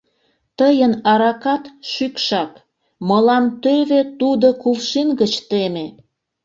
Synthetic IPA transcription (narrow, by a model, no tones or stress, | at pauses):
t̪əjənɑɾɑkɑt̪ʃykʃɑk | məlɑnt̪øβet̪ud̪okulʃinɡət͡ɕt̪eme